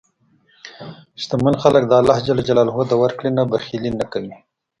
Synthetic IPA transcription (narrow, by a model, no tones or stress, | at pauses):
ʃt̪amanxalək̚d̪ɑːlɑhd͡ʒalad͡ʒalɑːlɦod̪awaɾkɽinabaxilinakawi